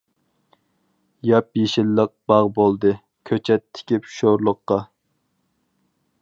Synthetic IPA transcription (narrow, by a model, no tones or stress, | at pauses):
jɑpjeʃɪlːəq̚b̥ɑʁbolˠd̪ɨ | kʲʰøt͡ʃʰɛt̪ʰːɪ̥kʲipʃoɾlˠəqːɑ